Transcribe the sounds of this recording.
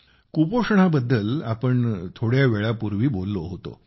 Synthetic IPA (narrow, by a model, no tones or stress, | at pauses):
kupoʂɳabəd̪ːəlapəɳt̪ʰoɽjaʋeɭapuɾʋiːbolːoɦot̪o̰